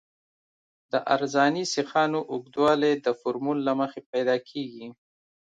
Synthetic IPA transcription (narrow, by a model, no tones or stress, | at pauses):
d̪̥əʔaɾzɑnisɪxɑnoʔʊɡd̪wɑled̪əfʊɾmulːaməxepajd̪ɑkʰeɡi